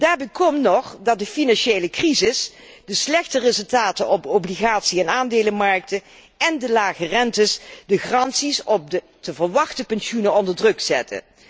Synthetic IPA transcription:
d̥aːɹbɛkʰɔmnɔχdɑt̚dəfinɑnʃejləkrizɪs | dəslɛxtərɪzɵlˠtaːtənɔbowbliɣaːtsiɛnaːndeːləmɑɹk̚tə | ɛndəlaːχərɛntəsdəχrɑntsisɔp̚də | təvəɹʋɑχtəpɛnsunənɔndəɹdrɵkzɛtʰə̰

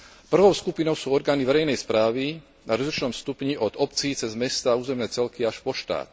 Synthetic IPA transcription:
pr̩ʋɔʊskupinɔʊsuːɔɾɡaːniʋɛɾɛjnɛjspɾaːʋi | naɾɔzlit͡ʃnɔmst̪upɲiʔɔd̪ɔpt͡siːt͡sɛzmɛst̪auːzɛmnɛːt͡sɛlkiaʃpɔʃt̪a̰ːt̪

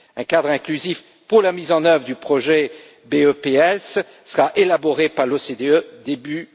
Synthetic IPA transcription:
ɛ̃kad̪ʁɛ̃klyzif | puʁlamizɑ̃nœvʁəd̪ypχɔʒɛ | beøpeɛsː | əʁaʔelabɔʁepaʁlosed̪eød̪eby

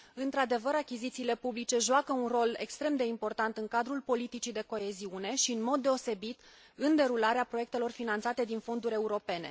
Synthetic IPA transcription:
ɨnt̪ɾad̪e̞vəɾakʲizit̪siːle̞publit͡ʃe̞ʒuakəunro̞le̞̰kst̪ɾe̞md̪e̞impo̞rt̪ant̪ɨŋkad̪ɾulpo̞lit̪it͡ʃid̪e̞ko̞e̞ziune̞ʃiɨnmo̞d̪ːe̞o̞se̞bit̪ | ɨnd̪e̞ɾulaɾeapɾo̞je̞k̚t̪e̞lo̞rfinant̪sat̪e̞d̪info̞nd̪uɾʲe̞uɾo̞pe̞ne̞̰

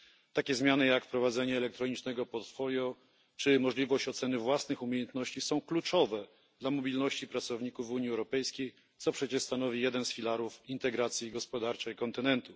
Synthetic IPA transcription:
t̪akʲɛzmʲjanɘjakfpɾɔvad̪zɛɲɛːlɛk̚t̪ɾɔɲit͡ʂnɛɡɔpɔt̪fɔljɔ | t͡ʂɘmɔʐlʲivɔɕt͡ɕɔt̪sɛnɘvwasnɘxumʲejɛnt̪nɔɕt͡ɕisɔ̃w̃klut͡ʂɔvɛ | d̪̥lamɔbʲilnɔɕt͡ɕipɾat̪sɔvɲikufuɲiɛwɾɔpɛjskʲej | t̪sɔpʂɛt͡ɕɛʂst̪anɔvʲijɛd̪ɛnsfʲilaɾufint̪ɛɡɾat̪sʲjiɡɔspɔd̪aɾt͡ʂɛjkɔnt̪ɘnɛnt̪u

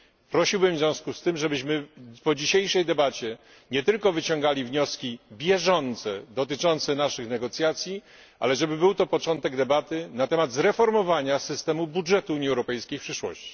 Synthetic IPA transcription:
pɾɔɕiwbɘmvzʲjɔ̃w̃skust̪ɘmʐɛbɘɕmɘpɔd͡ʑiɕejʂɛjd̪ɛbat͡ɕɛ | ɲɛt̪ɘlkɔvɘt͡ɕɔ̃ŋɡalʲivɲɔskʲibʲjɛʐɔnt̪sɛd̪ɔt̪ɘt͡ʂɔnt̪sɛnaʂɘxnɛɡɔt̪sʲjat̪sʲji | ʔa̰lɛʐɛbɘbɘwt̪ɔpɔt͡ʂɔnt̪ɛɡd̪ɛbat̪ɘnat̪ɛmad̪zɾɛfɔɾmɔvaɲasɘst̪ɛmubudʐɛt̪uuɲiɛwɾɔpɛjskʲejfpʂɘʂwɔ̰ɕt͡ɕi̥

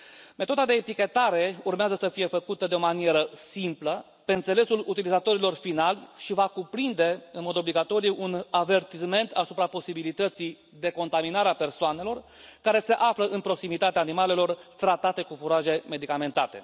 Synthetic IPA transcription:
me̞t̪o̞d̪ad̪e̞ːt̪ikʲe̞t̪aɾe̞urmeazəsəfije̞fəkut̪əd̪eo̞manie̞ɾəsimplə | pe̞ɨnt̪se̞le̞sulut̪ilizat̪o̞ɾilo̞rfinalʲʃivakupɾind̪e̞ɨnmo̞d̪o̞bliɡat̪o̞ɾijuʔunave̞rt̪isme̞nt̪asu̥pɾapo̞sibilit̪ət̪si | d̪e̞ko̞nt̪aminaɾeape̞rsoane̞lo̞r | kaɾe̞se̞ʔafləʔɨnpɾo̞ksimit̪at̪eaːnimale̞lo̞rt̪ɾat̪at̪e̞kufuɾaʒe̞me̞d̪ikame̞nt̪at̪e̞̰

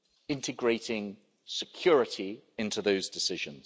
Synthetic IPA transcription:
ɪ̃ntɪɡɹeɪtɪ̃ŋ | sɪkʰj̥ɔːɹɪtʰiɪ̃ntuðəʊzdɪsɪʒə̃nz̥

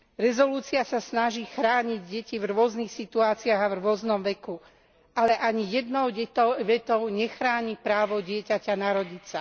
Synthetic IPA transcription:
ɾɛzɔluːt͡siasasnaʒixɾaːɲiɟɟɛcivɾʊɔznixsit̪uaːt͡siaɣavɾʊɔznɔmʋɛku | alɛʔaɲijɛd̪nɔʊɟɛt̪ʋɛt̪ɔʊɲɛxɾaːɲipɾaːʋɔɟɪɛcacanaɾɔɟit͡sa

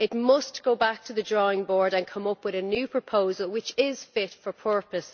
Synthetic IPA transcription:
ɪt̚mʌsɡ̥oʊbak̚tʰəðədɹɔɪ̃ŋbɔɹdə̃nkʰʌ̃mʌpwɪðənjʉːpʰɹ̥əpʰoʊzəlˠwɪt͡ʃɪz̥fɪtfə˞pʰɜ˞pəs

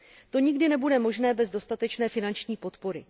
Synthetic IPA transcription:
t̪o̞ɲɪɡdɪnɛbudɛmo̞ʒnɛːbɛzdo̞st̪at̪ɛt͡ʃnɛːfɪnant͡ʃɲiːpo̞t̪po̞ɾɪ̰

